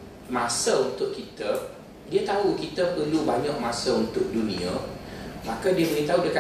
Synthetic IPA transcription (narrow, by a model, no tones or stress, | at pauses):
mãsəunt̪ʊʔkit̪ə | diət̪aukit̪əpəlubaɲəʔ̚masəunt̪ʊʔ̚dunĩa | makadiəbəɾit̪aɦudiəka